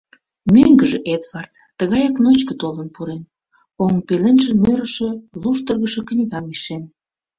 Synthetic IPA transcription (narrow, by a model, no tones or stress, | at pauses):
myŋɡəʒĕʔed̪vɑrt̪ːəɣɑjɑknot͡ɕkə̆t̪olənpuɾen | oŋpelenʒĕnøɾəʃĕluʃt̪ərɣəʃə̆knʲiɣɑmiʃen